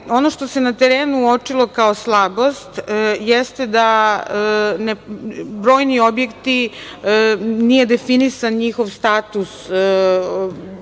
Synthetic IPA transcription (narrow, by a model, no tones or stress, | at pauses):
o̞no̞ʃt̪o̞se̞nat̪eɾeːnuot͡ʂilˠo̞kaoslˠabo̞st̪jɛst̪ed̪a | nebɾo̞ːjnio̞bje̞kt̪i | nije̞d̪efinisanɲixo̞ʋst̪aːt̪us